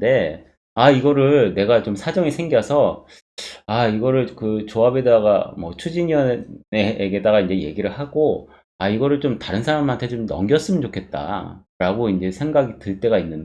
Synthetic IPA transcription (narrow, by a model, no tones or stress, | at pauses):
de̞ | aiɡʌɾɯɭne̞ɡat͡ɕomsʰad͡ʑʌŋisʰe̞ŋɡjʌsʰʌ | aiɡʌɾɯɭkɯt͡ɕoabe̞daɡamʌt͡ɕʰud͡ʑiɲʌeɡe̞daɡaind͡ʑe̞je̞̰ɡiɾɯɭhaɡo | aiɡʌɾɯɭt͡ɕomtaɾɯnsʰaɾamantʰet͡ɕomnʌ̰ŋɡjʌs͈ɯmʌnd͡ʑokʰe̞t̚t͈a̰ | ɾaɡoind͡ʑe̞sʰe̞ŋɡaɡitɯɭt͈e̞ɡainːɯn